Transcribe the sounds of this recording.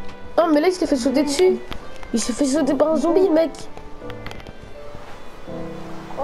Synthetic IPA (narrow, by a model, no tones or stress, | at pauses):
ɔ̃mɛlaɛst̪əfɛs̬ot̪̬ed̪əsyisəfɛs̬ot̪̬epaʁɛ̃zɔ̃bimɛk